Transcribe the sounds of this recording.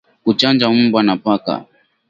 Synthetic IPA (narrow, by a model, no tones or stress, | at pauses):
kut͡ʃand͡ʒam̩bwanapaka̰